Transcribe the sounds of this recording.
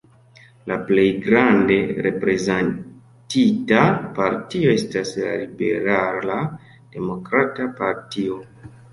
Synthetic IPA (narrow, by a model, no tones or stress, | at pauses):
laple̞jɡɾande̞ɾe̞pɾe̞zan | titapaɾtio̞e̞stasla̰libe̞ɾala | d̥e̞mo̞kɾatapaɾtio̞